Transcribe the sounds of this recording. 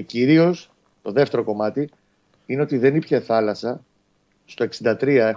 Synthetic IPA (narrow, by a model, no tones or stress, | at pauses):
ciɾio̞s | t̪o̞ðe̞ft̪e̞ɾoko̞mɐt̪i | ineo̞t̪iðe̞nipçe̞θɐlɐsɐ | st̪o̞e̞ksind̪ɐt̪ɾiɐe̞